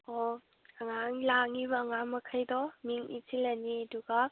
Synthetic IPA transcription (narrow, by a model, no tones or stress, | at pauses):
ɔ | aŋaŋlaŋibaŋaŋmɐkʰajdɔmiŋʔḭtʰilaniɐduɡa